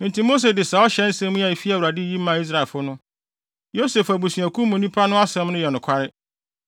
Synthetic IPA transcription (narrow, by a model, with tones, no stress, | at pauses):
mɪ̃˨nti˨mo˦s̬e˨dɪ˨sa˨ɔ˦ɕɛ̃˨˦n̩˦sɛ̃˦mũ˦a˨e˨fi˦a˨u˨ɾa˨dɪ˦ji˦mãː˨i˦s̬ɾa˨ɪ˨lfʊ˦nʊ̃˦ | jo˦se˨fæ˨bu˨sĩ˨æ˨kʰũ˦mõ˨nĩ˦pʰa˦nʊ̃˦a˦sɛ̃˦mnʊ̃˦jɛ˨nʊ̃˨kʷʰa˦ɾɪ˦